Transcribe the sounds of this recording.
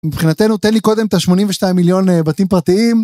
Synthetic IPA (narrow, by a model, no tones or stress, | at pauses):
mipχinat̪e̞nut̪enliko̞d̪e̞mt̪aʃmo̞nimveʃtaimiljo̞nbat̪impʁat̪iim